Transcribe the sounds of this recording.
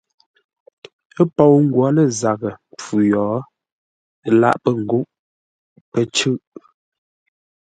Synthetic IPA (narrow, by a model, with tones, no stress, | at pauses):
ə˦pɔ˦˨wŋ̩˦ɡwɔ˨˦lə˦˨za˨ɣə˨mp͡fu˨jɔː˨˦˨ | la̰˦˨ʔpə˦ŋ̩˨ɡu˦ʔ | pə˦t͡ʃʉ˦ʔ